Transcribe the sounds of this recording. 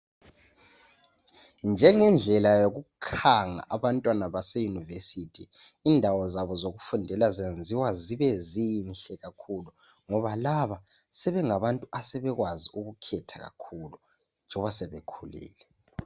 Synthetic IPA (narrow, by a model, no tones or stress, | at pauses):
nd͡ʒʱɛŋɛnd͡ɮʱɛlajoɣukʰaŋa̰ʔaβantʼwanaβasɛjunivesitʰiːndʱawɔzaβɔzoɣufundʱɛlazend͡zʱiwaziβɛzinɬɛɣakʰulu | ŋɔβalaβa | sɛβɛŋaβantʼuasɛβɛɣwaziuɣukʰɛtʰaɣa̰kʰulu | nd͡ʒʱɔβasɛβekʰulḭːlɛ